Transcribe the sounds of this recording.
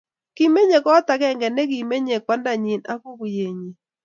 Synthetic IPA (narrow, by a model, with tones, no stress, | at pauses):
ki˨me˦ɲe˨kɔ˦ta˨kɛ˦˨ŋɡɛ˨nɛ˦ki˨me˦ɲe˨k̚wa˦nda˨ɲi˨na˦ko˦ku˨je˨ɲi˨